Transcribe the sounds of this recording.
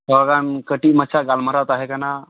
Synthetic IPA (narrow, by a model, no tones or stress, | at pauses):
sɔɡankəʈimət͡ʃʰaɡalməɾat̪aɦekana